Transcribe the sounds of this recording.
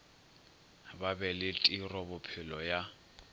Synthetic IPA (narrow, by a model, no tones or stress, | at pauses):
babɛlɪtʼirɔbʊpʰɪlɔja